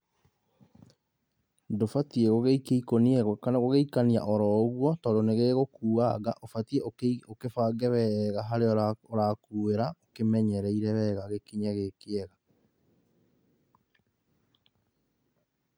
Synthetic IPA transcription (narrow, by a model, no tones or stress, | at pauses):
ndofatieɣoɣeikeikoniɛɣɔkanaɣoɣeikania̰ʔɔɾɔɣwɔtɔdoneɣeɣokuːaɣa̰ʔofatieookefaɡɛwɛɣaɦaɾeɔoɾakuweɾaokemɛɲɛɾɛiɾɛwɛɣaɣekiɲaɣekeɛɣa